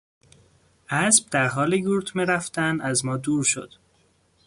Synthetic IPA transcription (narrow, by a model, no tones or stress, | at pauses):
ʔæsb̥̚d̪æɾɦɒːleɡuːɾt̪ʰmeɾæft̪ænæzmɒːd̪uːɾʃo̰d̪̥